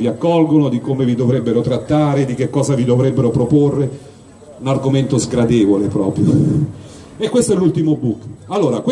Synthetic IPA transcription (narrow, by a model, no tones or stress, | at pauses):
viakːɔlɡonod̪ikomevid̪ovɾɛbːeɾot̪ɾat̪ːaːɾed̪ik̟ekːɔːzavid̪ovɾɛbːeɾopɾoporːe | unarɡoment̪ozɡɾad̪ɛːvolepɾɔːpɾjo | ekwest̪oɛlːult̪imobukːalːoːɾakw